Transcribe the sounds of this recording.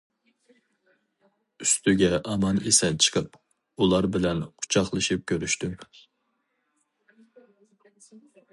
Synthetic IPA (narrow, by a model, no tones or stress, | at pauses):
yst̪yɡʲɛʔɑmɑnesɛt͡ʃʰə̥qʰəp | ulˠɑɾbɪlɛnqʰu̥t͡ʃʰɑχlˠɨʃip̚kʲʰøɾyʃt̪y